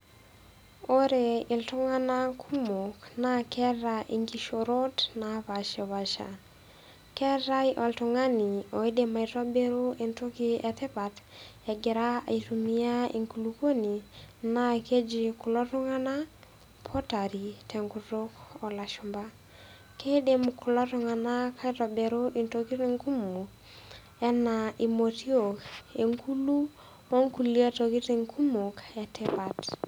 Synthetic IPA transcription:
o˦ɾe˨ɪ˨ltu˦ŋa˦na˦kʰu˦mo˨kna˦kɛ˦ɾaʔe˨ŋɡi˦ʃo˨ɾo˦dna˨βa˨ʃe˨βa˨ʃa̰˨ | kɛ˦ɾa˦iʔɔ˨ltu˨ŋa˦ni˨o˨i˦de˨ma˨i˨to˦be˦ɾu˦e˨ntu˦ki˦ɛ˨t̪ɪ˦pa˨tɛ˨ɡɪ˨ɾa˦a̰˨itu˨ni˦a˦e˨ŋku˨lu˨ko˦ni˨na˦ke˦d͡ʒi˨kʊ˨lɔ˦tɔ˦ŋa˦na˦ | pʰɔ˦ta˨ɾi˨tʰɛ˨ŋku˨tʊ˦kɔ˨la˨ʃu˨mba˦ | ke˦de˨mkʊ˨lɔ˦tɔ˦ŋa˨na˦ka˦i˦tɔ˨bɛ˨ɾo˦ʔi˨nto˦ki˦te˦ŋku˦mu˨ | ɛ˦na˨i˨mo˨ti˦o˨ke˨ŋku˦lu˦ | o˦ŋku˨li˦a˦to˨ki˦te˨ŋkʰu˦mo˨kɛ˨tɛ˦pa˨t

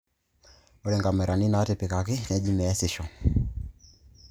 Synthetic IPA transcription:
o˦ɾɛ˨ŋɡa˨mɛ˨ɾa˨ni˦na˨˦te˨pe˨ka˨kɪ˦nɛ˨˦d͡ʒi˦mɛ˨ɛ˦sɪ˨ʃɔ˨

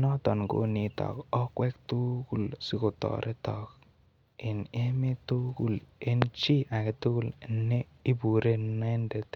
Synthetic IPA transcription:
nɔ˦tɔ˨nɡo̰˦ni˨tɔ̰˨kɔ˦kwɛ˦k̚tu˦ku˨lsi˦ko˨tɔ̰˨ɾʔe˦tɔ˨k̚ | ɪ˨ne˦me˦tu˦ku˨le˦nt͡ʃi˦ʔa˨ke˨tu˦ku˦˨le˨nːe˦ | i˦bu˨ɾe˦nɛ˦nde˨t

